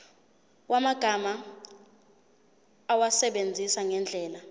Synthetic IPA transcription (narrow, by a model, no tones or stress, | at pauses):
wʔamaɡ̥ʱama | wasɛɓend͡zʱisaŋɛnd͡ɮʱɛːla